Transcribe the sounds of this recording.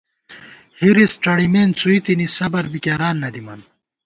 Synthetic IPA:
hiɾisʈ͡ʂɐɽimeːnt͡suit̪inisɐbɐɾbikɐɾaːnːɐd̪imɐn

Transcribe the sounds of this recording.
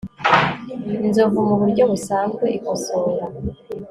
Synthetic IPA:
inzovumuβuɾɟo̞βusaːŋɡwe̞ʔikosoːɾa

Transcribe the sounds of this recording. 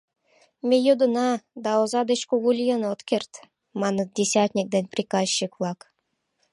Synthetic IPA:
mʲejud̪unɑd̪ɑozɑd̪ət͡ɕkuɡulʲijənot̪kʲert̪ | mɑnɤdʲesʲat̪ʲnʲik̚d̪enʲprʲikɑzɕikvlˠɑk

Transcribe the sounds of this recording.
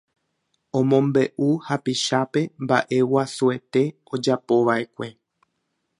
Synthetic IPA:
õ̞mõmbe̞ʔuhapiʃape̞mba̰ʔe̞wasue̞t̪e̞ | o̞d͡ʒapo̞ʋaʔe̞kʷe̞

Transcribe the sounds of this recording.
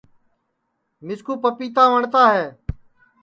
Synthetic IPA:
mɪskuːpəpiːt̪ãːʋəɳt̪aːɦeː

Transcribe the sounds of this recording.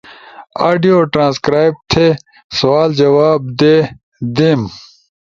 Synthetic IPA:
aːɖijoːʈɾãːskɾaːjb̚t̪ʰe | sɐwaːld͡ʑɐwaːb̚d̪eː | d̪em

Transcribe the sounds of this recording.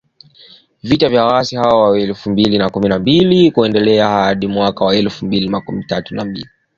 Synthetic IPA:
vitavjawasihawɔwaɛlfumbilinakuminambilikuɛndɛlɛahaɗimwakawaɛlfumbilimakumitatunambḭli

